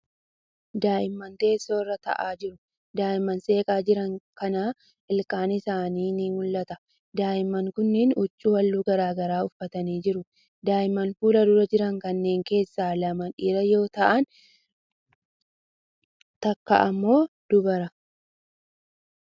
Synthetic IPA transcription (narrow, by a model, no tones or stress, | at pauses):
d̪aːʔɪmːɐnt̪e̞ːsːo̞ːrːɐt̪ɐ̰ʔaːd͡ʒɪɾʊ | d̪aːɪmːɐnse̞ːkʼaːd͡ʒɪɾɐŋkɐnaː | ʔɪlkʼaːnɪsaːniːnimʊlːɐt̪ɐ | d̪aːɪmːɐŋkʊnːɪnʊt͡ʃʼːuːwɐlːuːɡɐɾaːɡɐɾaːʊfːɐt̪ɐniːd͡ʒɪɾʊ | d̪aːʔɪmːɐnfuːlɐd̪ʊɾɐd͡ʒɪɾɐŋkɐnːe̞ːŋke̞ːsːaːlɐmɐᶑiːɾɐjo̞ːt̪ɐʔɐn | t̪ɐkːɐ̰ʔɐmːo̞ːd̪̥ʊbɐɾɐ